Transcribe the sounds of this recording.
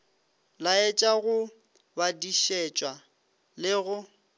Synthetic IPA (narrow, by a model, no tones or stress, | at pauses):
laɛt͡ʃʼaɣʊ | badiʃet͡ʃʼwa | lɪɣʊ